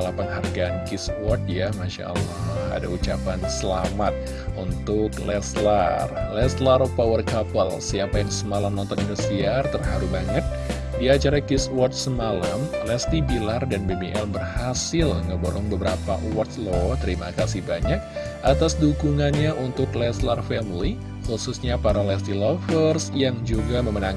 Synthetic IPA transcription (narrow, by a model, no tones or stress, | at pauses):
lapanɦarɡaːnkiswɔrt̪̚jamaʃa̰a̰lːahha̰da̰ut͡ʃapansəlamat̪̚ | unt̪ʊklɛ̰slarlɛslaɾpawərkapəlsiapajaŋsəmalamnɔnt̪ɔnindust̪iart̪ərhaɾubaŋət̪̚ | diat͡ʃaɾakiswɔrt̪̚səmalamlɛst̪ibilardanbebeʔɛlbərhasɪlŋəbəɾɔŋbəbəɾapa̰wɔt̪lɔt̪əɾima̰kasihbaɲak̚ | ʔat̪asdukuŋanɲaʔunt̪ʊklɛslarfɛmli | xususɲapaɾalɛst̪ilɔfərsjaŋd͡ʒuɡaməmənaŋ